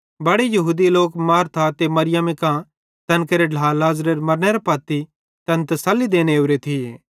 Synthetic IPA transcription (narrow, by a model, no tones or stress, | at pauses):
bɐɽejɐɦuːd̪iloːkmaːɾt̪ʰat̪emɐɾɪjɐmekã | t̪ɐnkeɾeɖʱaːlaːzɾeɾmɐɾneɾapaːt̪i | t̪ɐnt̪ɐsɐlːid̪eːñeuɾet̪ʰieː